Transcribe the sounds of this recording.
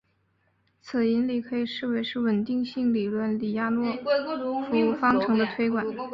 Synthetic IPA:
t͡s̩ʰ˨˩i˧˥nli˨˩kʰɤ˧˥i˨˩ʂɻ̩˥˩we˧˥ɪʂɻ̩˥˩wə˨˩nt̪i˥˧ŋɕi˥˩ŋli˨˩lwə˥˩nli˨˩ja˥nwɔ˥˩fu˧˥u˥˩fɑ˥ŋʈ͡ʂʰɤ˧˥ŋd̪ə˧t̪ʰwe˥ɪkwa˨˩n˦n

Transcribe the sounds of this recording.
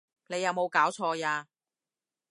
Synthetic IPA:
ne˨˧jɐ˨˧wmo˨˧wkaː˨˥wt͡ʃʰɔː˧jaː˧

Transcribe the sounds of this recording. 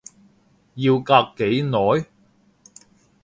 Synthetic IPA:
jiː˧wkaː˧kːe˨˥jnɔː˨˥j

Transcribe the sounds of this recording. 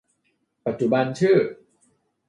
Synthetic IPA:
pa˨˩t̪̚t͡ɕu˨˩ba˧nt͡ɕʰɯː˥˩

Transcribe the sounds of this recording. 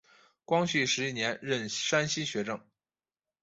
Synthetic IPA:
kwɑ˥ŋɕy˥˩ʂɻ̩˧˥i˥˩njɛ˧˥nɻə˥˩nʂa˥nɕi˥ɕɥɛ˧˥ʈ͡ʂɤ˥˩ŋ

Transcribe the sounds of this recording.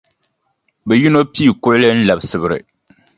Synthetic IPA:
bɛ˨ji˦no˦piː˦˨kʊ˦ʔʊ˦lɨ˦n̩˦la˨bsɨ˦bɨ˦ɾɨ̰˨

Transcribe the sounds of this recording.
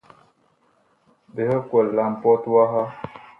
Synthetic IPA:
be˨hə˦kwə˨lːa˨m˨pɔ˦twa˦ɦa˦

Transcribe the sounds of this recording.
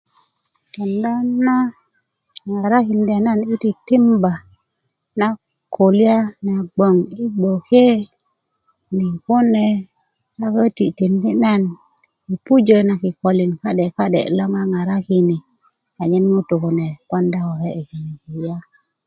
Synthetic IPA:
to˨nda˦na˦ | ŋa˨ɾa˦ki˨ndi˨a˨na˦ni˦ti˨ti˦mba˨ | na˦ | ko˨li˦a˦na˨ɡ͡bo˨ŋi˦ɡ͡bo˨ke˦ | ni˨ku˦ne˦ | a˦kə˦ti˨ti˨ndi˦na˦n | ki˨pu˦d͡ʒə˦na˨ki˨ko˨li˨nka˦de˨ka˦ɗḛ˨lo˦ŋa˦ŋa˨ɾa˦ki˦ni˨ | a˨ɲe˦nmu˦tu˨ku˨ne˨ko˦nda˦wo˨he˦e˨ki˨n˨ki˨ja˦

